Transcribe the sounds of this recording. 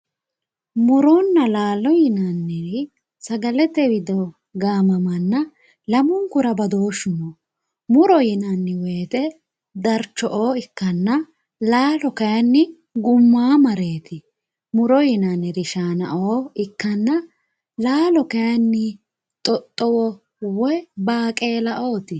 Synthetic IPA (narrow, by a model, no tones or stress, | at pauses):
mʊɾɔnːɐlaːlɔjɪnɐnːɪɾɪ | sɐɡɐlɛt̪ːɛwɪd̪ɔ | ɡaːmɐmɐnːɐ | lɐmʊŋkʊɾɐbɐd̪o̞ːʃːʊmɔ | mʊɾɔjɪnɐnːɪweːt̪ɛ | d̪ɐɾt͡ʃːɔʔoːɪkːɐnːɐ | laːlɔkɐjɐnːɪ | ɡʊmːaːmɐɾe̞ːt̪ɪ | mʊɾɔjɪnɐnːɪɾɪʃaːnɐ̰ʔoːɪkːɐnːɐ | laːlɔkɐjɐnːɪ | t̪ʼɔt̪ʼːɔwɔ | wɔbaːkʼe̞ːlɐʔo̞ːt̪ɪ